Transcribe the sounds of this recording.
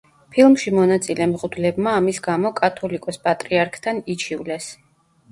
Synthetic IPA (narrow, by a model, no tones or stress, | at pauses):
pʰilˠmʃimɔnat̪sʼilɛmʁud̪lɛbmaːmisɡamɔkʼat̪ʰɔlikʼɔspʼat̪ʼɾiaɾkʰt̪ʰanit͡ʃʰivlɛs